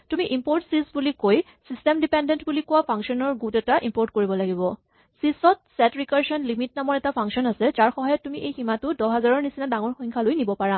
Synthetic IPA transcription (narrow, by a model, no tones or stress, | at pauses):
tumiʔimpoɹtsisbulikoj | sistɛmdipɛndɛntbulikʊwapʰaŋksɔnɔɹɡutɛtaʔimpoɹtkoɹibɔlaɡibɔ | sisɔt̚sɛtɹikaɹsɔnlimitnamɔɹɛtapʰaŋsɔnasɛzaɹxɔɦɔjɔtːumiʔejximatʊdɔɦazaɹɔɹnisinadaŋɔɹxɔŋkʰalojnibɔpaɹa